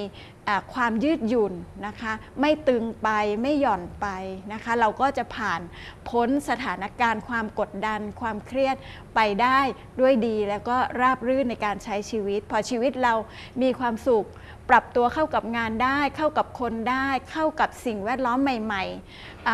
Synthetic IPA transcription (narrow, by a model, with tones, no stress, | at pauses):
ʔaː˨˩kʰwaː˧mjɯː˥˩t̪̚ju˨˩nːa˦˥kʰa˦˥ma˥˩jt̪ɯ˧ŋpa˧jma˥˩jːɔ˨˩npa˧jna˦˥kʰa˦˥ɾa˧wkɔː˥˩t͡ɕa˨˩ʔpʰaː˨˩n | pʰo˦˥nsa˧t̪ʰaː˩˦na˦˥kaː˧nkʰwaː˧mko˨˩t̪̚da˧nkʰwaː˧mkʰɾi˥˩ət̪̚ | pa˧jdaː˥˩j | du˥˩əjdiː˧lɛː˦˥wkɔː˥˩ɾaː˥˩p̚ɾɯː˥˩na˧jkaː˧nt͡ɕʰa˦˥jt͡ɕʰiː˧wi˦˥t̪̚pʰɔː˧t͡ɕʰiː˧wi˦˥t̪̚ɾa˧w | miː˧kʰwaː˧msu˨˩k̚ | pɾa˨˩p̚t̪u˧ɐkʰa˥˩wka˨˩p̚ŋaː˧ndaː˥˩jkʰa˥˩wka˨˩p̚kʰo˧ndaː˥˩jkʰa˥˩wka˨˩p̚si˨˩ŋwɛː˥˩t̪̚lɔː˦˥mːa˨˩jma˨˩j | ʔ